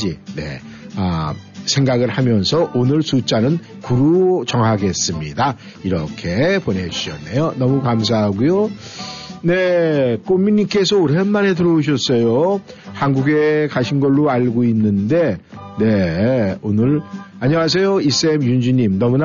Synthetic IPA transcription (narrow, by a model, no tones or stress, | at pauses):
d͡ʑine̞̰ | asʰe̞ŋɡaɡɯɭhamjʌnsʰʌʔonɯɭsut͡ɕ͈anɯn | kuɾut͡ɕʌŋɦaɡe̞s͈ɯmɲida | iɾʌkʰe̞pone̞d͡ʑuɕʰʌnːejonʌmukams̬ʰaɦaɡujo | nek͈ommiɲimk͈e̞sʰʌoɾeɦanmane̞t̬ɯɾʌuɕ̬ʰʌs͈ʌjo | hanɡuɡe̞kaɕʰinɡʌɭːoaɭɡoinːɯnde̞ne̞onɯɾaɲiwas̬ʰe̞jois͈eemjund͡ʑuɲimnʌmuna